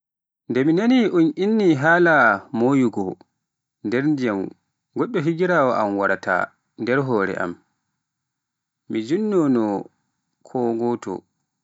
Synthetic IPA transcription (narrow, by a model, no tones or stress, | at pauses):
ndɛminaniʔuninːiɦaːlamojuɡɔ | ndɛɾndijam | ɡɔɗːɔɦiɡiɾaːwɔʔamwaɾatʰa̰ | ndɛɾɦɔːɾɛ̰ʔa̰m | mid͡ʒunːɔnɔ | kʰɔɡɔtɔ̰